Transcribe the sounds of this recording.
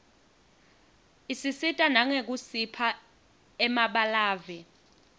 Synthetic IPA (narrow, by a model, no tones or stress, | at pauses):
isisitʼanaŋek̬usipʰa | ɛmaɓalaːvɛ